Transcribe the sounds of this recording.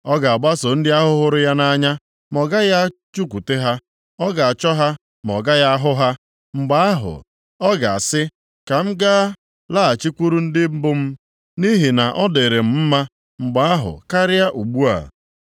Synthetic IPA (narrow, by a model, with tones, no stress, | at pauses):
ɔ˦ɡa˨a˨ɡ͡ba˦so˨n̩˦dɪ˦a˦ɦʊ˦ɦʊ˦ɾʊ˦ja˦na˦ɲa˦ | mɔ˨ɡa˦ja˦t͡ʃu˦kʷu˨te˦ɦa˦ | ɔ˦ɡa˨a˨t͡ʃɔ˦ɦa˦ | m˨ɔ̰˨ɡa˦ja˦ɦʊ˦ɦa˦ | ŋ͡m̩˨ɡ͡ba˦a˦ɦʊ̰˨ | ɔ˦ɡa˨a˨sɪ˦ | ka˨m̩˦ɡa˦ | la˦a˨t͡ʃi˦kʷu˦ɾu˦n̩˦dɪ˦m̩˦bʊ˦m̩˦ | ni˦ɦi˨na˨ʔɔ˦de˨ɾe˨m̩˨m̩˦ma˦ | ŋ͡m̩˨ɡ͡ba˨a˦ɦʊ̰˨ka˦ɾɪ˦a˦ʔu˨ɡ͡bu˦a̰˨